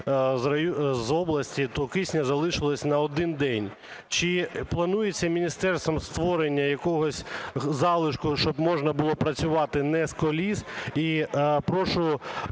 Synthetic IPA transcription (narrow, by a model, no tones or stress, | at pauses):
zɐjzɔblˠɐsʲtʲit̪ɔkisʲnʲɐzɐlˠɪʃɪlˠɐsʲnɐɔd̪ɪnd̪ɛnʲ | t͡ʃɪplˠɐnujet͡sʲːɐmʲinʲist̪ɛrst̪ʋɔmst̪ʋɔɾenʲːɐjɐkɔɦɔsʲzɑlˠɪʃkʊʃt͡ʃɔbmɔʒnɐbʊlˠɔpɾɐt͡sʲʊʋɑt̪ɪnɛskɔlʲisipɾɔʃʊ